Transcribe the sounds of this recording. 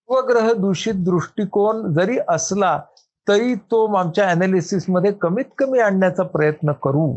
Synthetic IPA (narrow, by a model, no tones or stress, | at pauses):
ʋəɡɾəɦəd̪uɕiːt̪̚d̪ɾuʂʈikond͡zəɾiːʔəsla | t̪əɾiːt̪omamt͡ɕjaenalisisməd̪ʱːjekəmiːt̪kəmiːaɳːjat͡sapɾəjət̪nəkəɾuː